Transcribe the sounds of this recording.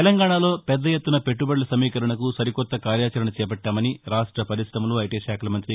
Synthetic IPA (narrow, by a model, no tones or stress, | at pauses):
elɐŋɡaːɳaːlo̞ːpɛd̪ːɐjet̪ːunɐpe̞ʈːubɐɽlɐsɐmiːkɐɾɐɳɐkusɐɾikɔt̪ːɐkaːɾjaːt͡ʃɐɾɐɳɐt͡ʃɛːpɐʈːaːmɐniɾaːʂʈɾɐpɐɾisɾɐmuluɐjʈiːʃaːkɐlɐmɐnt̪ɾi